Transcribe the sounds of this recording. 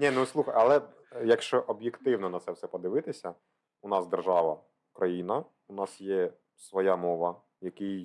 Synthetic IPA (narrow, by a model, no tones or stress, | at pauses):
nʲinuslˠuxɐjɐlˠɛ | jɐkʃt͡ʃɔʔɔbjɪkt̪ɪwnɔnɐt̪sɛwsɛpɔd̪ɪʋɪt̪ɪsʲɐ | ʊnɑsd̪erʒɑʋɐ | kɾɐjinɐ | unɑsjɛ | sʋɔjamɔʋɐ | jɐkɪj